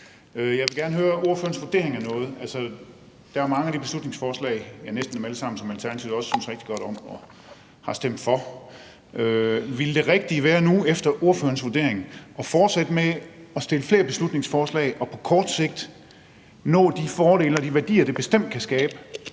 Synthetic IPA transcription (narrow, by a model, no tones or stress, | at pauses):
øjɑ̈ʋe̝ɡæɐnəɦøːɐo̝ɐføɐn̩sʋo̝d̥e̝ɐeŋæɐnɔ̽ːð̞̩ˠælsə | d̥ɑ̈æɐmɑ̈ŋəæɾ̥ib̥e̝slud̥ne̝ŋsfɒːslɛ̰ɪjɑ̈nesd̥n̩æmæləsɑ̈m̰n̩sɒ̽mælt͡sʰæɐnæt͡sʰiʊɒ̽ssyn̰sʁeɡ̥̚d̥iɡ̥ɒ̽ɾ̥ɒ̽m̰ɒ̽ | hɑ̈sd̥em̰d̥fɒ̽ | ʔøʋeld̥e̝ʁɛɡ̥̚d̥iʋæːɐnuefd̥ɐʔoɐfø̰ːɐns̬ʋod̥e̝̰ɐ̰eŋʔɒ̽fɒːd̥sæd̥əmeɒ̽sd̥e̝ləfle̝ːɐb̥e̝slud̥ne̝ŋsfɒːslɛ̰ɪʔɒ̽pʰɒ̽kʰɒːd̥se̝ɡ̥̚d̥ | nɔ̰̽ːd̥ifɒːɾ̥e̝̰ːlɒ̽d̥iʋæɐd̥ḭːɐd̥e̝b̥e̝sd̥em̰d̥̚kʰæsɡ̥ɛːb̥ə